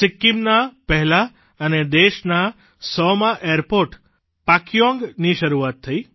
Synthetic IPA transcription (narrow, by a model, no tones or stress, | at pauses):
sɪkːimnapɛɦla | əned̪eʃna | sɔmaʔeəɾpoɾʈ | pakjõŋɡniʃəɾuat̪ʰːəi